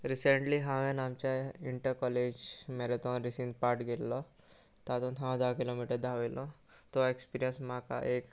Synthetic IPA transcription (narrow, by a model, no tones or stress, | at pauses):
ɾiseɳʈliɦãʋẽnamt͡ɕjaiɳʈəɾkɔled͡ʑmɛɾet̪ɔnɾisĩnd̪paɾʈɡellɔ | t̪at̪ut̪ʰãd͡zakilomiʈəɾd̪ʱaʋelʔɔ | t̪ɔekspiɾijənsmaka̰ʔek